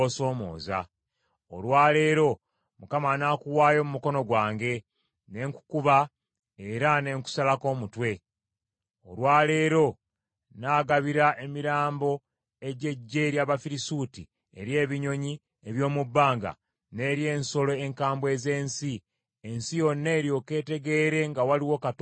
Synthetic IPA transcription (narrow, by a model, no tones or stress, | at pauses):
oso̞ːmo̰ːza̰ | o̰lwaːle̞ːɾo̞ | mukamanaːkuwaːjo̞mumuko̞no̞ɡwaːŋɡe̞ | ne̞ŋku̥kuβa | eɾane̞ŋku̥salako̞ːmutwe̞ | o̰lwaːle̞ːɾo̞ | naːɡaβiɾaʔe̞miɾaːmbo̞ | e̞ɟe̞ɟːe̞ɾjaβafiɾisuti | e̞̰ɾje̞ːβiɲo̞ɲi | eβjo̞ːmubːaːŋɡa̰ | ne̞ɾje̞ːnso̞lo̞eŋkaːmbwe̞ze̞ːnsi | ensijo̞nːe̞ːɾjo̞ke̞ːte̞ɡe̞ːɾe̞ŋɡawaliwokat